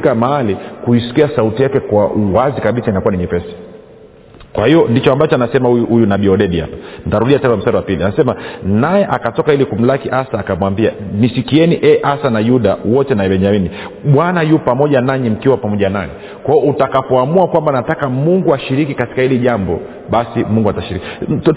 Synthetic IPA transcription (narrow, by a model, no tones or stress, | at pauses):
kamaalikuisi̥kiasautijakɛkwauwazikaɓisainakuanɛɲɛpɛsi̥ | kwahiɔndit͡ʃɔambat͡ʃɔanasɛmahujunaɓiɔɗɛɗiha̰pḁn̩itaɾuɗiatɛnawamsaɾiwapilianasɛmanajɛʔakatɔkailikum̩lakiʔasaːkamwambia̰nisikiɛniʔɛʔasanajuɗawɔtɛnaɛɓɛnd͡ʒamini | ɓwanajupamɔʄanaɲim̩kiwapamɔʄanaɛ | kwaɔutakapɔamuakwambanatakamuŋɡuaʃiɾikikati̥kahiliʄambɔ̰ | ɓasimuŋɡuataʃiɾiki